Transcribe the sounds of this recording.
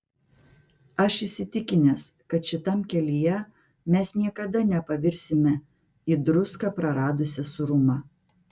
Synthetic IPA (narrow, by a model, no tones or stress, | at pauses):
ɐʃɪsʲɪt̪ʲɪkʲɪnʲɛskɐt̪ʃʲɪt̪ɐmkʲɛlʲijɛ | mʲɛsnʲiɛkɐd̪ɐnʲɛpɐʋʲɪɾʲsʲɪmʲɛ | id̪ɾʊskɐpɾɐɾɑːd̪ʊsʲɛsʊɾʊmɑ